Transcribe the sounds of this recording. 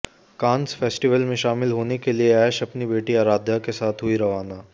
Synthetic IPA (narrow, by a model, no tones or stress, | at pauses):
kãːnsfɛːsʈiʋəlmẽʃaːmɪlɦoːnekelieɛːʃɐpnibeːʈiaːɾaːd̪ʱjakesaːt̪ʰɦʊiɾɐʋaːnaː